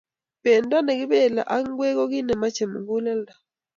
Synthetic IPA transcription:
b̥ɛ˨nda˦nɛ˨ki˦ɓɛ˦˨la̰˨ʔa˦ŋ̩˦ɡwɛ˦k̬ɔ˦k̬i˦nɛ˨ma˦t͡ʃʰɛ˨mṵ˨βu˦lɛ˦lda˨

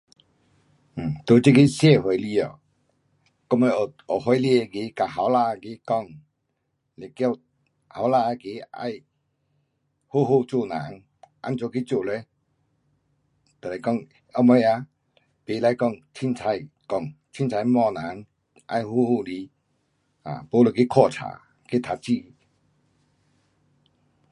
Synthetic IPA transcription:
m̩˨˩t̪o˧˦t͡ɕi˦ki˦sjɛ˥˧˨ɦwe˨˦jli˧˨ɔ̰˨ | kɔ˥˧ŋmo˧jɔ˨˩ɦɔ˧˦jli˧e˧ki˨˦ka˨˩ɦa˨˦wla˧a˧ki˧˦kɔ˧˨ŋ | le˨kɔ˥˧w | ha˨˦wla˧a˧˨ki˨˧˦a̰˧j | hu˦ɦu˥˧˨t͡su˥˧˨nã̰˨˦ŋ | ʔa̰˧˥mt͡so˨˧˦ki˧˦t͡su˧˨le˧˦ | t̪ə˨le˨jkɔ˥˨ŋ | ɔ˧˦mɔ˧˦ja˧ | pe˨la˧˨kɔ˥˧˨ŋt͡ɕʰi˧˨nt͡sʰa˧jkɔ˧˨ŋt͡ɕʰi˧˦nt͡sʰa˧˦jmɔ˥˧˨na˨˦ŋ | ʔa̰˧jhu˦ho˧˨li˧˦ | a̰˨po˧˦lo˨ki˦kʰɔ˥˧˨t͡sʰa̰˨˦ | ke˦t̪ʰa˧t͡ɕi˧˨

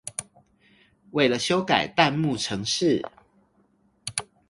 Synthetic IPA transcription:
we˥˩ɪlə˨ɕjo˦ʊka̰˨˩ɪt̪a˥˧nmu˥˨ʈ͡ʂʰɤ˨˧˦ŋʂɻ̩˥˨

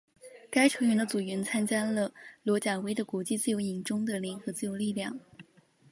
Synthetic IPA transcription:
ka˥ɪʈ͡ʂʰɤ˧˥ŋɥɛ˧˥nd̪ə˧t͡su˨˩ɥɛ˧˥nt͡sʰa˥nt͡ɕja˥lə˧˩lwɔ˧˥t͡ɕja˨˩we˧˥ɪd̪ə˨kwɔ˧˥t͡ɕi˥˧t͡sɹ̩˥˩˧jo˧˥ʊi˨˩ŋʈ͡ʂʊ˥ŋd̪ə˨ljɛ˧˥nxɤ˧˥t͡sɹ̩˥˩jo˧˥ʊli˥˧ljɑ˥˩ŋ

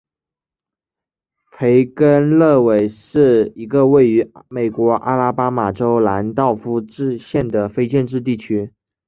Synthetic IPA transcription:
pʰe˧˥ɪkə˥nlɤ˥˩we˨˩ɪʂɻ̩˥˩i˧˥ɡə˧we˥˩ɪy˧˥me˨˩ɪkwɔ˧˥ʔa̰˥la˥pa˥ma˨˩ʈ͡ʂo˥ʊla˧˥nt̪ɑ˥˩ʊfu˥ʈ͡ʂɻ̩˥˧ɕjɛ˥˩nd̪ə˩fe˥ɪt͡ɕjɛ˥˧nʈ͡ʂɻ̩˥˧t̪̬i˥˩t͡ɕʰy˥

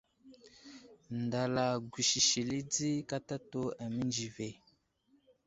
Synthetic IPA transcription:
nda˨la˨ɡʷi˨ʃi˨ʃi˨li˦d͡zi˦ka˦ta˦to˦a˨mi˦nd͡ʒi˨ve˨

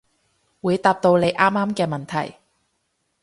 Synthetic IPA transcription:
wuː˨˧jt̪aː˧p̚t̪o˧wle˨˧jʔaː˥mːaː˥mkɛː˧mɐ˨nt̪ʰɐ̰˨˩j

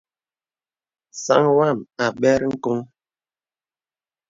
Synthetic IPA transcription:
sa̰˦ŋwa˦˨ma˨ɓɛ˦ɾŋ̩˦ko˦ŋ

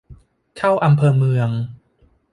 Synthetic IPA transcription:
kʰa˥˩wʔa˧mpʰɤː˧mɯ˧əŋ

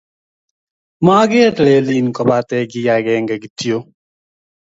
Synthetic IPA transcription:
ma˦ɡɪ˦tle˨li˨nkɔ˨ba˦tɛ˦ɡɪ˦ja˨ɡɛ˨ŋɡa˨ɡi˨ti˦o˦

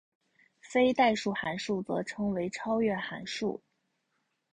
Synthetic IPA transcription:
fe˥ɪt̪a˥˧ɪʂu˥˩xa˧˥nʂu˥˩t͡sɤ̰˧˥ʈ͡ʂʰɤ˧˥ŋwe˧˥ɪʈ͡ʂʰɑ˥ʊɥɛ˥˩xa̰˧˥nʂṵ˥˩

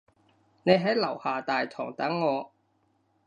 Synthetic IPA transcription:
ne˨˧jɦɐ˨˥jlɐ˨˩whaː˨˩t̪aː˨jt̪ʰɔː˨˩ŋt̪ɐ˨˥ŋːɔː˧

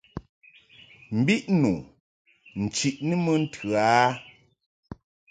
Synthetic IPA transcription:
m̩˨bi˦ʔnu˨ | n̩˨t͡ʃi˨ʔnɨ˦mə˦n̩˦tʰʉ˨a˦

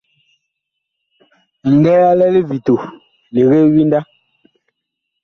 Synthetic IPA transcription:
ŋ̩˨ɡɛ˦a˦lɛ˦le˦vi˨to˨ | le˨ɣe˦wi˦nda˦

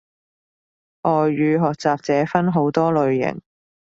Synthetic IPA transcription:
ʔɔː˨jɥyː˨˧ɦɔː˨k̚t͡saː˨p̚t͡sɛː˨˥fɐ˥nɦo˨˧˥wt̪ɔː˥lɵ˨ɥjɪ̰˨˩ŋ

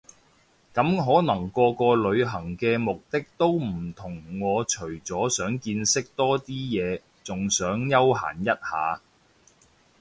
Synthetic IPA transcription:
kɐ˨˥mɦɔː˨˥nɐ˨˩ŋkɔː˧kɔː˧lɵ˨˧ɥɦɐ˨˩ŋkɛː˧mʊ˨k̚t̪ɪ˥k̚t̪o˥wm̩˨˩t̪ʰʊ˨˩ŋŋɔː˨˧t͡ʃʰɵ˨˩ɥt͡sɔː˨˥sœː˨˥ŋkiː˧nsɪ˥k̚t̪ɔː˥t̪iː˥jɛː˨˧ | t͡sʊ˨ŋsœː˨˥ŋjɐ˥wɦa̰ː˨˩njɐ˥t̚haː˨˧

